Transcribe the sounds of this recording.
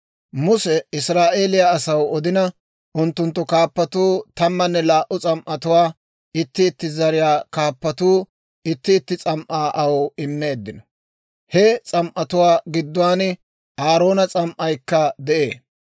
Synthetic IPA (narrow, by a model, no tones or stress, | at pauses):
mʊsɛɪsɾaːʔe̞ːlɪjaɐsɐwɔd̪ɪnɐ | ʔʊnt̪ːʊnt̪ːɔkaːpːɐt̪uːt̪ɐmːɐnːɛlaːʔʊt͡sʼɐmʔɐt̪ʊwaː | ɪt̪ːɪːt̪ːɪzɐɾɪjaːkaːpːɐt̪uː | ɪt̪ːɪːt̪ːɪt͡sʼɐmʔaːʔɐwɪmːe̞ːd̪ːɪnɔ | hɛt͡sʼɐmʔɐt̪ʊwaːɡɪd̪ːʊwaːnɪ | ʔaːɾo̞ːnɐt͡sʼɐmʔɐjkːɐd̪ɛʔeː